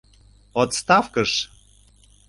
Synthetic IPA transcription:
ot̪st̪ɑfkəʃ

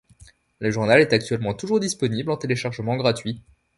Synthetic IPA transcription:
ləʒuʁnalɛt̪ak̚t̪ɥɛlmɑ̃t̪uʒuʁd̪ispɔniblɑ̃t̪eleʃaʁʒəmɑ̃ɡʁat̪ɥi

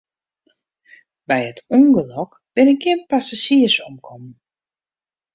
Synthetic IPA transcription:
bɛjətʰuŋɡəlɔk | b̥ɪnɪk̚ɡɪənpasasiəsɔmkʰɔmn

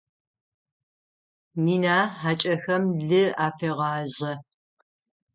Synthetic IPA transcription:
miːnaːħaːt͡ʃʼɐxɐmɮɨaːfeːʁɑːʑɐ

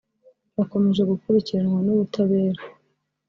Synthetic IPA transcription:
βako̞me̞ʒe̞ɡukuɾiciɾehonuβutaβe̞ːɾa

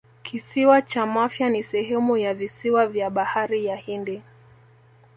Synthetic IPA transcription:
kʰisiwat͡ʃamafjanisɛɦɛmujavisiwavjaɓahaɾijahindi

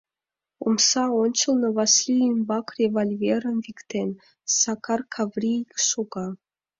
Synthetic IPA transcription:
omsɑonʲt͡ɕə̆lˠnɤ̆vɑslʲiinbɑkrʲevalʲvʲeɾə̆nvʲikt̪en | sɑkʰɑrkʰɑvrʲikʃoɡɑ

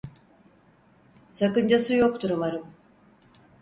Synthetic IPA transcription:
sakɯnd͡ʒasɯjokt̪ʰuɾumaɾɯm

